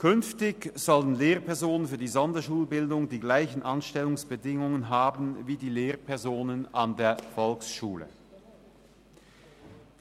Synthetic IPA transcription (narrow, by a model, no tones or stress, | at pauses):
kʰʏnftɪçz̥ɔlənleːʁpɛɐzoːnənfyːɐdiːzɔndɐʃuːlbɪldʊŋdiːɡlaɪçn̩ʔanʃtɛlʊŋsb̥ədɪŋʊŋənɦaːbn̩viːdiːleːɐpʰɛɐzoːnənandeːɐfɔlksʃuːlə̰